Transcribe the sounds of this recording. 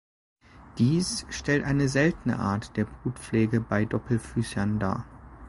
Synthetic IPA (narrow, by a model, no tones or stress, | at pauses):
d̥iːsʃtɛltʔaɪnəzɛltən̩ə̰ʔa̰ːɐtd̥eːɐbʁuːtp͡fleɛːɡəbaɪdɔpʰl̩fyːsɐnda̰ːɐ